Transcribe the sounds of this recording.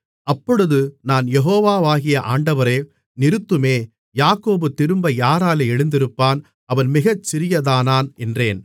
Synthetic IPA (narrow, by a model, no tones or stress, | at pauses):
ɐpːɔɽɯðɯnaːnjɛɦoːʋaːʋaːɣɪjɐʔaːɳɖɐʋɐɾeː | nɪɾɯt̪ːɯmeː | jaːkːoːbɯt̪ːɪɾɯmbɐjaːɾaːleːɛɻɯnd̪ɪɾɯpːaːn | ɐʋɐnmɪɣɐt͡ʃːɪɾɪjɐðaːnaːnɛndreːn